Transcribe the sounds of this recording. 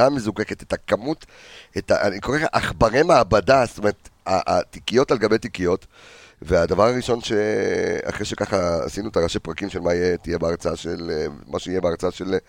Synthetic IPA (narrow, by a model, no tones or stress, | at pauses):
amezukeke̞t̪et̪akamut̪ | eta̰a̰niko̞ʁeaʔaχbaʁe̞maːbadast̪o̞me̞ʁetaʔat̪ikijo̞talɡabe̞jt̪ikijo̞t | vead̪avaʁaʁiʃo̞nʃea̰χʁeʃe̞kaχa̰ːsinuet̪aʁaʃepʁakimʃelmaijet̪ijebeaʁt͡saaʃelmaʃeijebeaʁt͡saaʃe̞l